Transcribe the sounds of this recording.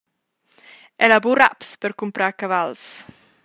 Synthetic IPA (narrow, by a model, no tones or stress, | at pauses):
ɛlabura̰pspəɾkumpɾakavals